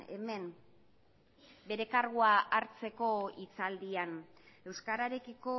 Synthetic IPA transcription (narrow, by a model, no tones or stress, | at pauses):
e̞̰me̞n | be̞ɾe̞kaɾɣuaʔaɾt͡se̞ko̞it͡sald̪ian | e̞wskaɾaɾe̞kiko̞